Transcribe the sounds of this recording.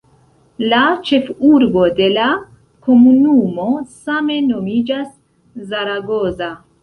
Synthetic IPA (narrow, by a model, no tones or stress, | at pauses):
lat͡ʃe̞fuɾbo̞de̞la | ko̞munumo̞same̞no̞mid͡ʒas | zaɾaɡo̞za